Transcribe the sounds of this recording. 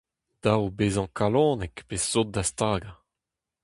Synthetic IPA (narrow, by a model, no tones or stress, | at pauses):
d̪̥awbeːzɑ̃kalɔ̃ːnɛkpesːot̪̚d̪ast̪aːɡa